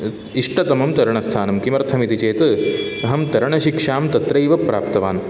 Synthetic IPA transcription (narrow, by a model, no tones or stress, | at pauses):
iʂʈʰɐt̪ɐmɐmt̪ɐɾɐɳɐst̪ʰaːnɐmkimɐɾt̪ʰɐmit̪it͡ʃeːt̪ | ɐɦɐmt̪ɐɾɐɳɐʃikʂaːmt̪ɐt̪ɾɐjʋɐpɾa̰ːpt̪ɐʋaːn